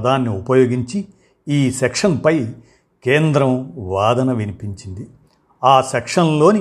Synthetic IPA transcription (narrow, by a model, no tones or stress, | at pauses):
d̪aːnːiupɐjo̞ːɡiɲt͡ʃi | iːsekʂɐnpɐj | ke̞ːnd̪ɾɐmʋaːd̪ɐnɐʋinipiɲt͡ʃind̪i | aːsekʂɐnlo̞ːni